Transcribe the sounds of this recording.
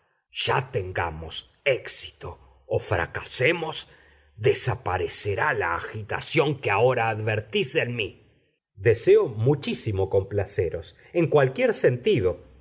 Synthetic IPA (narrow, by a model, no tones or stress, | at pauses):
ʒ̥at̪eŋɡa̰mos | eksi̥t̪oː | fɾa̰kasemo̞s | d̪esapaɾeseɾalaːxit̪a̰sjo̞ŋkeao̞ɾaːðβeɾt̪isenmi | d̪eseomut͡ʃisimo̞ko̞mplaseɾo̞s | eŋkwalkjeɾsent̪iðo̞